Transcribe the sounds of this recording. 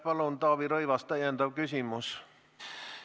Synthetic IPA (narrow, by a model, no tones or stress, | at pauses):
pɑlont̪ɑːʋiɾoiʋɑst̪ɑjɑnd̪ɑʋkysimus